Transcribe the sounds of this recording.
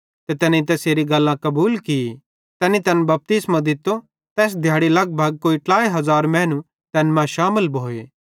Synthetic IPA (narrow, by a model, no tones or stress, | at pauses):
t̪et̪ɛːnit̪ɛseːɾiɡɐlːãkɐbuːlki | t̪ɛːnit̪ɛːnbɐp̚t̪ɪsmãd̪ɪt̪ːo | t̪ɛːs̬d̪ʱjaːɽilɐɡ̚bʱɐɡ̚koːiʈaːiɦɐzaːɾmɛ̃ːnu | t̪ɛːnmãʃaːməlbʱoːeː